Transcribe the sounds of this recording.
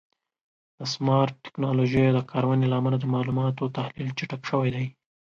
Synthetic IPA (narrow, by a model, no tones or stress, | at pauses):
d̪̥əsmɑɾʈːɪ̥knɑloʒəjad̪əkʰɑɾawanelaːmalad̪əmɑlumɑt̪ot̪ahlilt͡ʃɪʈakʃəwajd̪aj